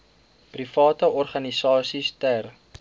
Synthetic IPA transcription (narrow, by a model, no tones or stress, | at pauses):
prifɑːtəɔrχɐnisɑːsistær